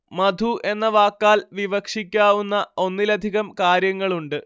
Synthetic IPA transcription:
mɐd̪ʱuʔe̞nːɐʋaːkːaːlʋiʋɐkʂikʲːaːʋunːɐo̞nːilɐd̪ʱiɣɐmkaːɾjɐŋːɐɭuɳɖɨ

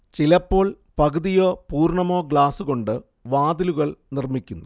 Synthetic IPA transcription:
t͡ɕilɐpːo̞ːɭ | pɐkɨðijo̞ːpuːrɳɐmo̞ːɡɭaːsɨɣo̞ɳɖɨ | ʋaːd̪iluɣɐɭnirmikʲːunːu

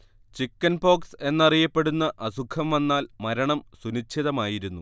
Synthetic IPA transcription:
t͡ɕikːɐnbo̞ːkse̞nːɐrijɐpːe̞ɽunːɐʔɐsukʰɐmʋɐnːaːlmɐɾɐɳɐmsunit͡ɕʰːiðɐmaːjiɾunːu

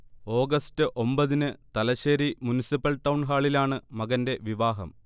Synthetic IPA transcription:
o̞ːɡɐstɨʔo̞mbɐðinɨt̪ɐlɐɕeːɾimunisipːɐlʈːɐwɳɦaːɭilaːɳɨmɐɣɐnde̞ʋiʋaːɦɐ̰m

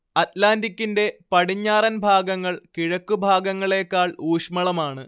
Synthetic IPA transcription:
ɐtlaːndikʲːinde̞pɐɽiɲːaːrɐnbʱaːɡɐŋːɐɭkiɻɐkːubʱaːɡɐŋːɐɭe̞ːkːaːɭuːʂmɐɭɐmaːɳɨ

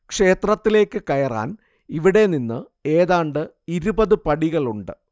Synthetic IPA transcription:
kʂe̞ːt̪rɐt̪ːile̞ːkːɨkɐjɐra̰ːn | iʋiɽe̞ninːɨ | e̞ːðaːɳɖɨ | iɾubɐðɨpɐɽiɣɐɭuɳɖɨ̰

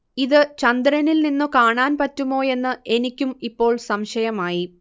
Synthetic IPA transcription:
iðɨt͡ɕɐnd̪ɾɐnilninːukaːɳaːnpɐtːumo̞ːe̞nːɨʔe̞nikʲːumipːo̞ːɭsɐmɕɐjɐmaːji

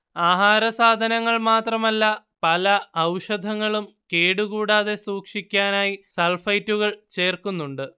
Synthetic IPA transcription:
aːɦaːɾɐsaːd̪ʱɐnɐŋːɐɭmaːt̪rɐmɐlːɐ | pɐlɐɐwʂɐd̪ʱɐŋːɐɭum | ke̞ːɽuɣuːɽaːðe̞suːkʂikʲːaːnaːjisɐlfɐjtːuɣɐɭt͡ɕe̞ːrkunːuɳɖɨ

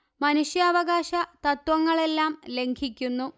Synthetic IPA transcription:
mɐnuʂjɐːʋɐɣaːɕɐt̪ɐt̪ʋɐŋːɐɭe̞lːaːmle̞ŋkʰikʲːunːu

